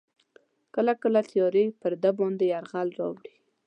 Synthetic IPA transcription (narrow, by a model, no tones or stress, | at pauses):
kəlakəlat̪jɑɾepəɾd̪abɑnd̪eaɾɣalɾɑ̰wɽi